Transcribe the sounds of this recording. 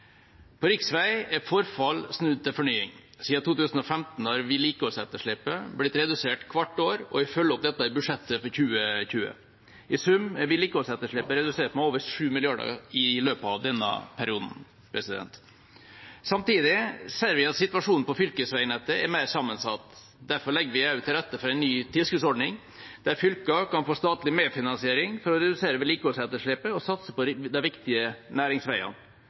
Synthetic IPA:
pʰɔɾɪksʋæɪɛfɔɾfɑlsnʉd̪̚t̪ʰɪlfɔɳyːɪ̰ŋ | siːɑt̪ʰuːt̪ʉːsn̩ɔfɛmt̪n̩hɑɾʋɪliːkəɔsɛt̪ːəʂɭɪpːəblɪt̪ɾɛd̪ʉseːʈkʰʋɑʈːoːɾɔ̰ɪfœlːɔp̚d̪ɛt̪ːɑɪbʉʂɛt̪ːəfɔɾçʉːəçʉːə̰ | ʔɪsʉmʋɪliːkəɔsɛt̪ːəʂɭɪpːəɾɛd̪ʉseːʈmɛoːʋəɾʂʉːmɪlɪɑɖə̰ɪløːpəɑʋd̪ɛnːə̰pʰæɾɪuːd̪n̩ | pʰɾɛsɪd̪ɛ̰nt̪ | sɑmt̪iːd̪ɪseːɾʋɪɑt̪sɪt̪ʋɑʂuːn̩pɔfʏlkəsʋæɪnɛt̪ːəæɾmæɪɾsɑmːənsɑt̪ː | d̪æɾfɔɾɭɛɡːəɾʋɪɑʉt̪ʰːɪlɾɛt̪ːəfɔɾɛɪnːyːt̪ʰɪlskʉːsɔɖɳɪŋ | d̪æɾfʏlkɑkʰɑnfoːst̪ɑːt̪lɪmeːfɪnɑnsɪeːɾɪŋfɔɾɔɾɛd̪ʉseːɾəʋɪliːkəoːsɛt̪əʂɭɪpəɔsɑt̪səpɔd̪ɛʋɪkt̪ɪənæːɾɪŋsʋæɪɑ̰n

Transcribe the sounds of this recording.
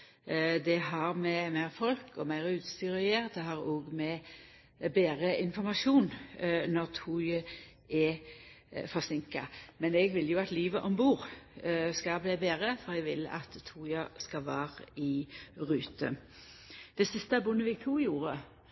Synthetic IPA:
d̪ɛɦɑʁmɛmæɪʁfɔlkʰɔmæɪʁʉːt̪st̪yʁɪeːʁt̪hɑʁoːɡmɛ | beːʁəʔɪnfɔʁmɑʃuːnnɔʁt̪ʰuːɪə | ɛ | fɔʁsɪŋkɑ̰mɛnɛɡʋɪlːjʊɑt̪liːʋəʔɔmbuːʁ | skɑbleːbeːʁəfɔʁɛɡʋɪlɑ̰t̪ʰːuːjɑskɑʋæːʁəɪʁʉːt̪ə̰ | d̪̥ɛsɪst̪əɑbʊnːəʋɪɡt̪ʰuːjuːʁə

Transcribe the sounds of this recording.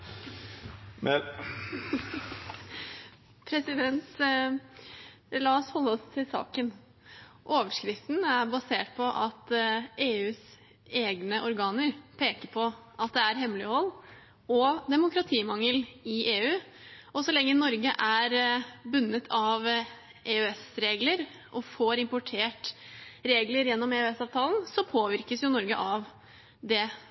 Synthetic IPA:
m | pʰɾɛsɪd̪ɛnt̪ | lɑːɔshɔlːəɔst̪ʰɪlsɑ̰ːkən | ʔoːʋəʂkɾɪft̪n̩æɾbɑseːʈ̚pʰɔʔɑt̪eːʉːs | eːɡnəʔɔɾɡɑːnəɾpʰeːkəɾpʰɔʔɑt̪̚d̪ɛæɾɦɛmlɪhɔlː | ɔd̪ɛmʊkɾɑt̪ʰiːmɑŋəlɪʔeːʉːɔsɔlɛŋːənɔɾɡəʔæɾbʉnːət̪ʰɑʋ | ʔeːœɛsɾeːɡləɾ | ʔɔfoːɾɪmpʊʈʰeːʈɾeːɡləɾjɛnːɔmeœɛsɑːʋt̪ʰɑːln̩sɔpʰoːʋɪɾkəsjʊnɔɾɡə̰ʔɑʋ | d̪ɛ

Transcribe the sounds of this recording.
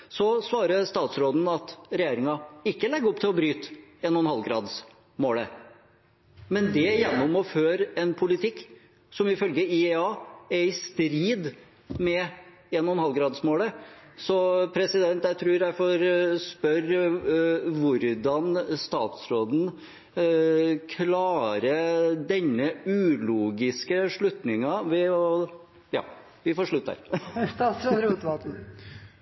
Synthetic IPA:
sɔsʋɑːɾəst̪ɑːt̪sɾoːd̪n̩ɑt̪ɾɛjeːɾɪŋɑɪkːəlɛɡːəɔp̚ːt̪ʰɪlɔbɾyːt̪enɔnhɑlɡɾɑ̰ːd̪s | moːlə | mɛnd̪ɛjɛnːɔmɔføːɾɛnpʰʊlɪt̪ʰɪkː | sɔmɪfœlɡəɪɛɑːæɾɪst̪ɾiːd̪ | mɛ | eːnɔnhɑlɡɾɑːd̪smoːləsɔpʰɾɛsɪd̪ɛnt̪jæɪt̪ʰɾʉːɾæɪfoɾspœɾ | ʋʊɾd̪ɑnst̪ɑ̰ːt̪sɾoːd̪n̩ | kʰlɑːɾəd̪ɛɲːəʉːluːɡɪskəʂɭʉt̪nɪŋɑʋɪ | jɑ̰ː | ʋɪfoːʂɭʉt̪ːə̰ɾ | ɾɾuːt̪ʋɑt̪̩

